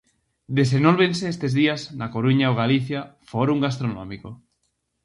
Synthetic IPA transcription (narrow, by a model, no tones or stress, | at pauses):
d̪es̬enolβenseest̪ezðiaznakoɾuɲaoɣaliθjafoɾuŋɡas̬t̪ɾono̰miko